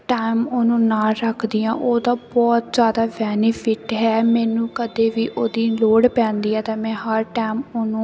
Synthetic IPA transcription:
ʈaːɪmoːnũːnaːɾəkʰd̪iːãːʔoːd̪ãːbɔːt̪zjaːd̪aːʋɛːnɪpʰɪʈɦɛːmɛːnũːkəd̪eːʋiːʔoːd̪iːloːɽpɛ̃ːnd̪iːɛːt̪ãːmɛ̃ːɦəɾʈaːmonũː

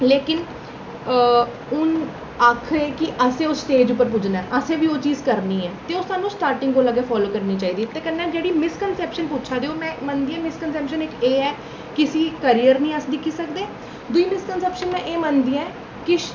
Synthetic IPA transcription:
leːkɪn | ʊn | akʰeːkɪʔəsẽːosʈeːd͡ʒʊpːəɾp̬ʊd͡ʒnaɛːʔəsẽːʋiːoːt͡ʃiːzkəɾniːɛːt̪eːʊst̪aːnũːsʈaːɾʈɪ̃ŋɡkoːləɡeːpʰɔːloːkəɾniːt͡ʃaːiːd̪iːt̪eːkənːɛ̃ːd͡ʒeːɽiːmɪskənsɛːpʃənputːʃʰaːd̪eːoːmɛ̃ːmənd̪iːãːmɪskənsɛːpʃənɪkeːɛː | kɪsiːkəɾiːjəɾnĩːəsd̪ɪkʰiːsəkd̪eː | d̪ʊiːmɪskənsɛːpʃənmɛ̃ːʔeːmənd̪iːɛ̃ː | kɪ

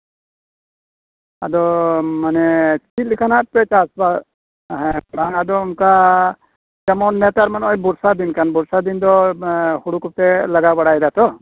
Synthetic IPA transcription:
ad̪ɔmanɛt͡ʃʰit̪̚likʰanapɛt͡ʃasba | ɦɛ̃ɽaŋad̪ɔunka | d͡ʒɛmɔnːɛt̪aɾmanɔjbuɾsad̪inkanbuɾsad̪ind̪ɔhuɽukup̚t̪ɛləɡabaɽajd̪at̪ɔ

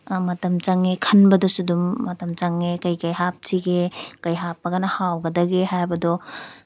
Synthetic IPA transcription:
mɐtɐmt͡ʃaŋekʰɐnbɐdɔsudumːɐtɐmt͡ʃaŋekɐjkɐjɦap̚tʰiɡekɐjɦapːɐɡɐnɐhawɡɐdɐɡehajbɐdɔ

